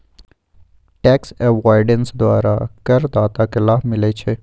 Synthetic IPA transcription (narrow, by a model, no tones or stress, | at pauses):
ʈɛːksɛʋaːɾɖənsd̪waːɾa̰kɐɾd̪aːt̪akɪlaːmɪlet͡ʃʰeː